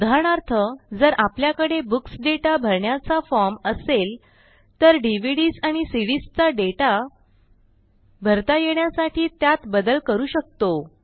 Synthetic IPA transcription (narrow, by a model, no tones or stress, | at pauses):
d̪ʱaɳaɾt̪ʰəd͡zəɾʔapljakəɽebuksɖeʈabʱəɾɳjat͡safɔɾməsel | t̪əɾɖiʋ̤iɽiːsaɽ̃isiɽist͡saɖeʈa | bʱəɾt̪ajeɳjasaʈʰiːt̪jat̪bəd̪əlkəɾuːɕək̚t̪o